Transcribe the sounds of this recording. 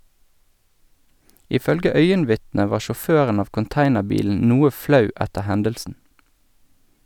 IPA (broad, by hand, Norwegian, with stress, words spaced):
ɪˈfœlɡə ˈœʏənˌʋɪtnə ˈʋɑː ʃɔˈføːʁən ˈɑːʋ kʊnˈtæɪnəˌbiːln̩ ˈnuːə ˈflɑʉ ˈɛtə ˈhɛndəlsn̩